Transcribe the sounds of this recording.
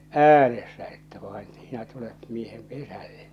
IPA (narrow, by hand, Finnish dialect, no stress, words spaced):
æːnesːæ etːæ ʋɑen sinæ tulet miehem pesælːe̥t